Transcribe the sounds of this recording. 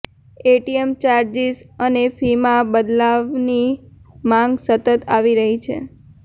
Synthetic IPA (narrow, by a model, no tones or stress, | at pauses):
eʈiemt͡ʃaɾd͡ʒisənefimãbəd̪laʋnimãŋɡsət̪ət̪aʋiɾəɦit͡ʃʰḛ